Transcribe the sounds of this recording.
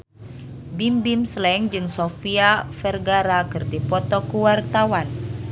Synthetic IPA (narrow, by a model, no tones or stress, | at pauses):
bimbimslɛŋd͡ʒɨŋsofiafɛrɡaɾakɨrdipɔt̪ɔkuwart̪awan